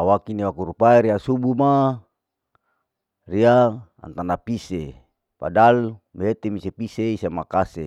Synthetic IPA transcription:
awakiniwakuɾupaeɾiasubuma | riaa̰nt̪anapise | pa̰dalmeet̪emisepiseisamakasḛ

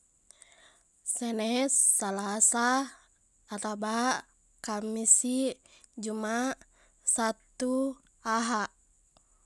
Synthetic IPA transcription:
sɛnɛːalasaː | t̪aba | kamisi | d͡ʒuma | sat̪u | aɦaʔ

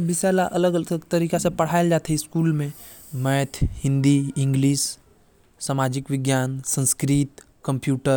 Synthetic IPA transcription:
bɪsaːlaʔɐləɡɡt̪ɐɾiːkasepɐɽ̤aːɪld͡ʒaːt̪ʰeɪskuːlmẽ | mɛːt̪ʰhɪ̃nd̪iɪ̃ŋɡliːs | saːmaːd͡ʒɪkʋɪɡjaːnsə̃nskɾiːt̪ | kə̃mpjuːʈəɾ

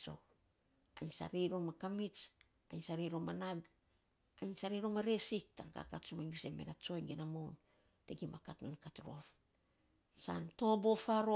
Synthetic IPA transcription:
so̰ | ajnsa̰ɾiɾomakamit͡ʃ | ajnsaɾijɾomanaɡ | ajnsaɾiɾomaɾe̞sik̚ta̰ŋka̰katt͡ʃumaŋbisemḛnat͡ʃo̞jŋɡenamown | teɡimakatnunkatɾo̞̰f | sa̰nto̞bofaɾo

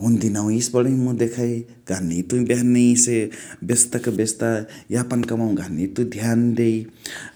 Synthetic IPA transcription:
ɦund̪inaw̃isbʌɽĩmud̪ekʰaj | ɡ̥ʱanit̪ubanisebest̪akabest̪ajapankamaw̃ɡʱanit̪ud̪ʱjand̪ej

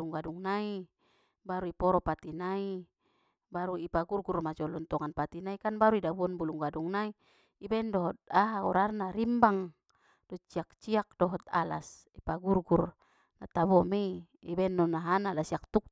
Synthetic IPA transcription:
luŋɡaduŋnai | baɾuipɔɾɔpat̪inai | baɾuipaɡurɡurmad͡ʒɔlɔnt̪ɔŋanpat̪inaikanbaɾuidabuɔnbuluŋɡaduŋnaiː | bɛndɔɦɔt̪̚aɦaɔɾarnaɾimbaŋ | dɔt͡ʃiak̚t͡ʃiak̚dɔɦɔt̪̚a̰la̰s | ipaɡurɡur | nat̪aβɔmei | ibɛnːɔnaɦanalasiak̚t̪uk̚

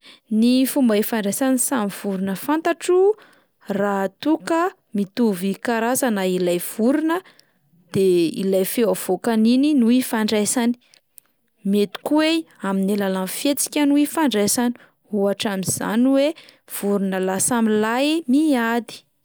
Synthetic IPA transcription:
nifumbaifaɳɖ͡ʐesanisamiv̥uɾunəfant̪aʈ͡ʂu | rat̪ukə | mit̪uvikaɾazanailajv̥uɾunə | d̪̥eḭlajfewav̥okanininuifaɳɖ͡ʐesani̥ | met̪u̥kweaminilalanfet͡si̥kʲanuifaɳɖ͡ʐesani̥ | huaʈ͡ʂamiz̥a̰niwe | v̥uɾunəlasamilajmiad̪i̥

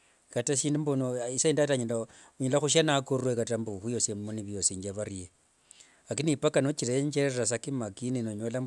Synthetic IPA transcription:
kataʃiːndumbonoisaindataɲila | ɲilaxuʃ̬anakoruwekatambuxujosemuniβjosiɲd͡ʒaβaɾije | akinipakanot͡ʃiɾeɲd͡ʒeɾerras̬akimakininoɲolam

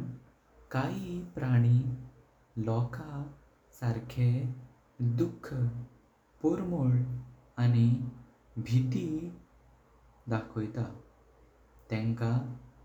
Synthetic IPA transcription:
kaɦipɾaɽ̃i | lɔkʰa | saɾkʰe | d̪ukʰːə | poɾmoɭ | ani | bʱit̪i | d̪akʰɔjt̪a | t̪ɛ̃ŋka

